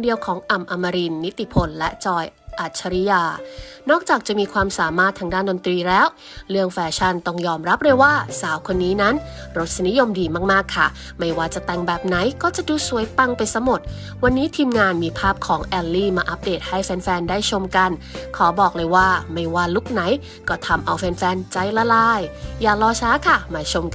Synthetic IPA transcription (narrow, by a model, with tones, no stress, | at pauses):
ndi˧əwkʰɔː˩˦ŋʔa˨˩mʔa˧ma˧ɾi˧nːi˦˥t̪ːi˧˨pʰo˧nlɛ˦˥t͡ɕɔː˧jʔa˨˩t̪̚t͡ɕʰːa˧ɾi˦˥jaː˧nɔː˥˩k̚t͡ɕaː˨˩k̚t͡ɕa˨˩miː˧kʰwaː˧msaː˩˦maː˥˩t̪ʰa˧ŋdaː˥˩ndo˧nt̪ɾiː˧lɛː˦˥w | ɾɯ˥˩əŋfɛː˧t͡ɕʰa˥˩nt̪ɔ˥˩ŋjɔː˧mɾa˦˥p̚ɾɤ˥˩jwaː˥˩saː˩˦wkʰo˧nːiː˦˥na˦˥n | ɾo˦˥t̪̚sa˧ni˦˥jo˧mdiː˧maː˥˩k̚maː˥˩kʰːa˥˩ | ma˥˩jwaː˧˥˩t͡ɕa˨˩t̪ɛ˧˩ŋbɛː˨˩p̚na˩˦jkɔː˥˩t͡ɕa˨˩ʔduː˧su˨˩˦əjpa˧ŋpa˧jsa˦˥mo˨˩t̪̚ | wa˧nːiː˦˥t̪ʰiː˧mŋaː˧nmiː˧pʰaː˥˩p̚kʰɔː˩˦ŋʔɛː˧lːiː˥˩maː˧ʔa˦˥p̚deː˨˩t̪̚ha˥˩jfɛː˧nfɛː˧ndaː˥˩jt͡ɕʰo˧mka˧n | kʰa˩˦bɔː˨˩k̚lɤː˧jwaː˥˩ma˥˩jwaː˥˩lu˦˥˩k̚na˩˦j | kɔː˥˩t̪ʰa˧mʔa˧wfɛː˧nfɛː˧nt͡ɕa˧˥jla˧laː˧˩jjaː˨˩lɔː˧t͡ɕʰaː˦˥kʰa˥˩maː˧t͡ɕʰo˧mk